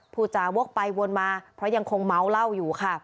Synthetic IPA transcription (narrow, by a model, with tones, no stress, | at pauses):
pʰuː˧˩t͡ɕa˨˩wu˦˥ək̚pa˧jwo˧nmaː˧pʰɾɔ˦˥ja˧ŋkʰo˧ŋma˦˥wla˥˩wjuː˨˩kʰa˥˩